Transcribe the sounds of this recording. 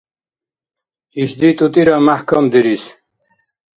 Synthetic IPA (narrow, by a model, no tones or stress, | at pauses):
iʃd̪it̪ʼut̪ʼiɾamahkʰɔmd̪iɾis